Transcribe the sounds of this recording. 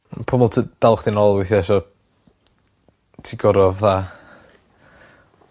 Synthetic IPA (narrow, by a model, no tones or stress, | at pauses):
pʰʊmɔlˠtʰəb̥ɛlˠχd̥̪inɔlˠwɪθiɛʃɔ | tʰiɡɔɾɔvðaː